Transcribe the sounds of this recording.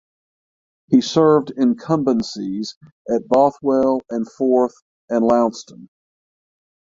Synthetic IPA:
hisɜ˞vdɪ̃nkʰʌ̃mbɨ̃nsiz | ʔɨt̚b̥ɑθweɪlˠɨ̃nfɔɹθ | ɨ̃nlãʊ̃nstə̃n

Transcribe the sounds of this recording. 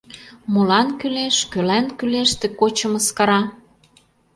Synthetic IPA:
molɑnkyleʃkølænkyleʃt̪ĕkot͡ɕə̆mə̆skɑɾɑ

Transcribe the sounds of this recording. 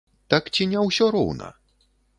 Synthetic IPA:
t̪akt͡sʲinʲɛwsʲɔɾɔ̰wnɐ̰

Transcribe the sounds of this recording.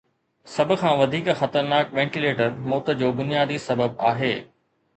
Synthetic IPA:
sɐbʱʊ̆kʰãːʋɐd̪ʱiːkxɐt̪əɾnaːkʋɛ̃ːɳʈileːʈəɾmoːt̪ə̆d͡ʑoːbʊnijaːd̪isɐbəb̚aːɦeː

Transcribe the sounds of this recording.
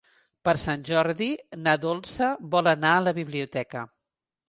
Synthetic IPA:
pəɾsanʲʒɔɾðinaðolˠsəβɔlənaələβiβliut̪ɛkə̰

